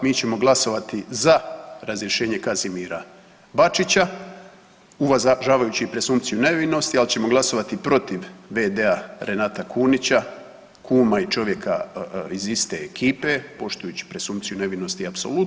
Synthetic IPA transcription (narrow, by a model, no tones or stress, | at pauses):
miːt͡ɕe̞mo̞ɡlˠaso̞ʋat̪izaɾazɾjeʃe̞ːɲe̞kazimiɾa | bat͡ʃit͡ɕa | uʋazʒaːʋajut͡ɕiːpɾe̞sumpt̪sijune̞ʋino̞st̪ialit͡ɕe̞mo̞ɡlˠaso̞ʋat̪ipɾo̞t̪iʋʋe̞d̪e̞aɾe̞naːt̪akʰunit͡ɕa | kʰuːmait͡ʃo̞ʋje̞kaizist̪e̞ːkʰiːpe̞po̞ʃt̪ujuːt͡ɕi̥pɾe̞sumpt̪sijune̞ʋino̞st̪iapsolut̪